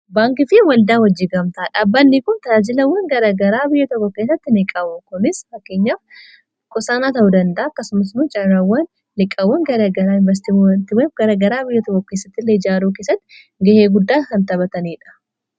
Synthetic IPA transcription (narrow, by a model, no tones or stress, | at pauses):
baːŋkɪfɪwɐld̪aːnwɐd͡ʒːiːɡɐmt̪aːᶑaːbːɐnːikʊnt̪ɐaːd͡ʒɪlɐwːɐŋɡɐɾaːɡɐɾaːbɪjːɐt̪ɔkːɔke̞ːs̬ːɐt̪ːɪnɪkʼɐbʊkʊnɪsfɐkːeːɲːaːf | kʼʊsaːnaːt̪ɐʔud̪ɐnd̪ɐʔaːɐkːɐsʊmɐs̬mʊd͡ʒɐɾawːɐnː | ɪkʼːɐwːɐŋɡɐɾaːɡɐɾaːɪnvɛs̬t̪ɪnt̪ɪmefɡɐɾaːɡɐɾaːbɪjːɐt̪ɔkːɔkeːsːɐt̪ːɪlːeɪd͡ʒaːɾuːk̬eːsːɐt̪ːɪ̥ | ɡɐheːɡʊd̪ːaːkɐnt̪ɐβɐt̪ɐniːᶑɐ̥